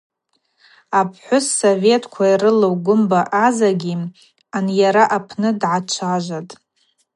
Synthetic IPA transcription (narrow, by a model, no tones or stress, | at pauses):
apʰħʷʊsːove̞tʰkʷʰairɨlowɡʷʊmbaʔazaɡʲi | anjaɾaʔapʰnɨdʕat͡ʃʷʰaʒʷatʼ